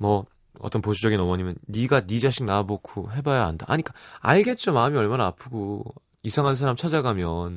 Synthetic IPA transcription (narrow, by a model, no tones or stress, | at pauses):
mʌ | ʌ̰t͈ʌnposʰud͡ʑʌɡinʌmʌɲimjʌnːiɡanid͡ʑaɕʰiŋnabokʰoɦe̞bajaanda̰ʔaɲik͈aa̰ɭɡe̞t̚t͡ɕ͈omaɯmiʌɭmanaːpʰɯɡo | isʰaŋɦansʰaɾamt͡ɕʰad͡ʑaɡamjʌn